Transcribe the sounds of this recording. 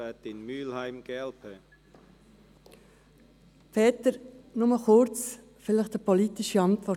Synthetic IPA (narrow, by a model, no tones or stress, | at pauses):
ɛt̪ɪnmyːlhaɪmɡ̥ɛlpʰə | pʰɛːt̪əɾnʊməχʊɾt͡s | fɪləχtəpɔlitɪʃiɑntʋɔ